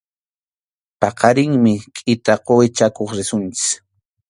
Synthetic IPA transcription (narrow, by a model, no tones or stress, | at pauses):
pɑqɑɾɪŋmɪkʼɪt̪aqoɪt͡ʃakoχɾɪsʊnt͡sɪ̥k